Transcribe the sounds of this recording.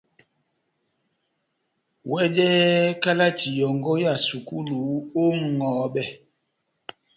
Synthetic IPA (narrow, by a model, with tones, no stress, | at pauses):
wɛ˦d͡ʒɛ˦ka˦la˦ti˨jɔ˨ŋɡɔ˦ja˨su˨ku˦lu˨˦o˦ŋɔː˨˦ɓɛ˦˨